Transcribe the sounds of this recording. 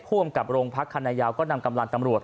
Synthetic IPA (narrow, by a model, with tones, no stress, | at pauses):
pʰu˥˩əmka˨˩p̚ɾoː˧ŋpʰa˦˥kʰːa˧naː˧jaː˧wkɔː˥˩na˧mka˧mla˧ŋt̪a˧mɾu˨˩ət̪̚